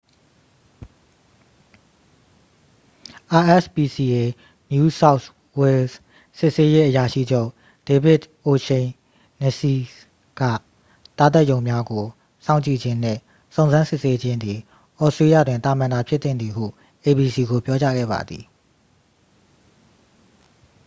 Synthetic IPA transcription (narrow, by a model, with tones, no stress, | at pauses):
ʔa˨ʔɛ˦˨spi˨si˨ʔe˨ | nju˦sa˦ʊt | wɛ˨ | sɪ˦ʔse˦je˦ʔəja˨ʃḭ˦˨d͡ʑo˦ʊ | d̥e˨bɪ˦˨tʔo˨ʃẽ˨ | nɛ˨si˨ | ɡ̥ä̰˦˨ | t̪a˦˨t̪a˦ʔjõ˨ʊ̃mja˦ɡo˨ | sã˦ʊ̃ɲt͡ɕḭ˦˨d͡ʑɪ̃˦n̥ɛ̰̃˦˨ | sõ˨ʊ̃nzã˦nsɪ˦˨se˦d͡ʑɪ̃˦nd̪ði˨ | ʔɔ˦˨stɹe˦jä̰˦˨dwɪ̃˨nt̪a˨mã˨nda˨pʰjɪ˦t̪θɪ̰̃˦˨nd̪ði˨ɦṵ˦˨ | ʔe˨bi˨si˨ɡo˨pjɔ˦t͡ɕa̰˦ɡɛ̰˦˨ba̰˨d̪ði˨